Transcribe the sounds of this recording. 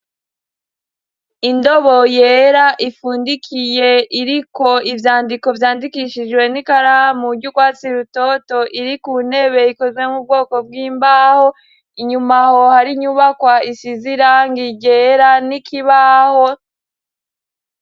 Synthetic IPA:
indo̞βojeːɾaʔifuːndikʰije̞ʔiɾiko̞ivjaːndiko̞vjaːndikiʃid͡ʒwe̞nikaɾahamuɾɟukwaːt͡siɾuto̞to̞ʔiɾikuune̞βe̞iko̞zɡwe̞mub̚ɡo̞ːko̞b̚ɡwiːmbaho̞ | iɲumaho̞haɾiɲuβakwaisiziɾaŋɡiɟeːɾanikʰiβaho

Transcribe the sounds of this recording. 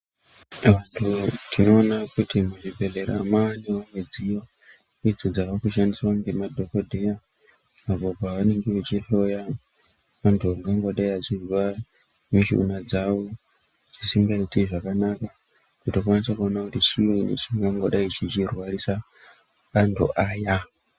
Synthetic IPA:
ʋantʰutino̞ːnakutimuʐibʱe̞ɮe̞ɾa̰maniwaŋɡed͡ziwa | id͡zod͡zakakuʃandiswaŋɡemadʱo̞kodʱeja | apo̞paʋane̞ŋɡeʋet͡ʃiɬo̞ja | mantʰuaŋɡaŋɡo̞ɗaiat͡ʃizwa | miʃḭṵnad͡zawo | d͡zisimbaitiʐakanaka | kutokwanisakuo̞nakutit͡ʃiwenḛt͡ʃiŋɡaŋɡoɗait͡ʃit͡ʃirwaɾisa | kantʰṵʔaːja

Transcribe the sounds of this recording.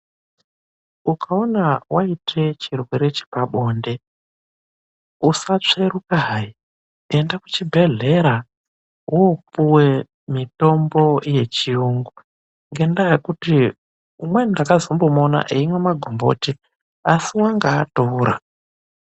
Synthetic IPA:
ukaonawʔaitʰe̞t͡ʃirweɾet͡ʃi̥paɓo̞nde̞ | usat͡ʂe̞ɾukaɦai | endaku̥t͡ʃibʱe̞ɮe̞ɾa | wopuwe | mito̞mbo̞je̞t͡ʃiuŋɡu | ŋɡe̞ndajekuti | umwendakazombomona̰ʔeimwemaɡʱombo̞̰ti | asiwaŋɡaːtouɾa̰

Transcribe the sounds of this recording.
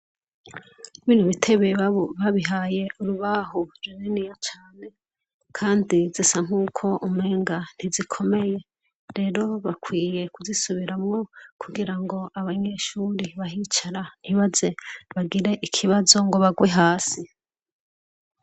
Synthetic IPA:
βiːn̥huβitʰe̞βeβaβiɦaːje̞ʔuɾuβaɦoɾwininijat͡ʃaːne̞ | kʰaːndizisaŋ̥uːkʰo̞ʔumeːŋɡan̥hizikʰo̞me̞je̞ | ɾe̞ɾo̞βakʰwiːje̞kuzisuβiɾamŋo̞kʰuɡiɾaŋɡo̞aβaɲe̞ʃuɾiβaɦit͡ʃaɾaiβaze̞βaɡiɾe̞ʔikʰiβazo̞ŋɡo̞βaɡwe̞ɦaːsi

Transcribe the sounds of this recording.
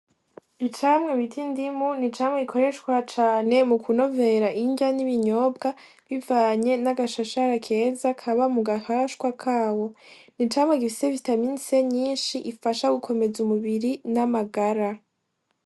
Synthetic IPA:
it͡ʃamŋe̞βitʰindimunit͡ʃaːmŋeikʰo̞ɾeʃkwat͡ʃaːne̞mukʰuno̞ve̞ɾaʔiɲɟaniβiɲo̞ːbɡa | βivaːɲe̞naɡaʃaʃaɾakʰe̞ːzakʰaβamuɡahaʃkwakʰaːwo̞ | nit͡ʃamŋeɡifiseβitaminseɲiːnʃiʔifaʃaɡukʰo̞me̞zumuβiɾinamaɡaɾa

